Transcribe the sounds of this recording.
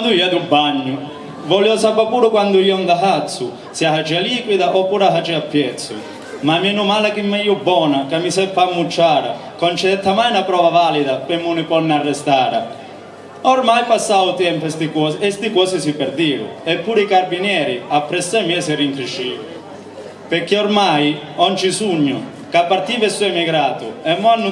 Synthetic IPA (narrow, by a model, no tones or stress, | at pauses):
and̪ujiɛd̪ubːaɲːʊ | vɔljɔsapːapuːɾʊkwand̪ujɔŋɡ̪aɦat̪sːʊ | siafat͡ʃɛaliːkwid̪aʔɔpːuːɾafat͡ʃɛapːjɛt̪sːʊ̰ | mamiɛnumaːlakimːɛjubːɔːnakamːisɛfamːut͡ʃːaːɾa̰ | kɔnt͡ʃɛd̪ɛt̪ːamajnapɾɔːvavaːlid̪apɪmːunɪpɔnːarːɛst̪aːɾa̰ | ɔɾmajpasːaʊt̪ɛmpst̪ikɔɛst̪ikɔːsisipɛɾd̪iːvʊ̰ɛpːuːɾikaɾbinjɛːɾiapːɾɛsːamiɛsɪriŋkɾiʃiː | peɾkːeɔɾmajɔnt͡ʃisuɲːʊ | kapːaɾt̪iːvɛsuɛmiɡɾaːt̪ʊ̰ɛmːɔnːu